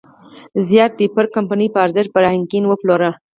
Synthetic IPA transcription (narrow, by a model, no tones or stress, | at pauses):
zjɑt̪̚ɖipəɾkampanipəɑɾzɪʃpəɾɑɪŋkinwəploɾa